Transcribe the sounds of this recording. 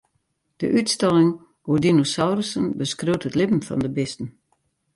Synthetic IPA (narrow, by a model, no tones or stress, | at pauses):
d̥ə̰ʔytstɛlˠɪŋ | udinosawrəsənbəskrøwtʰətlɪpm̩fɔ̰ndəbɪstn̩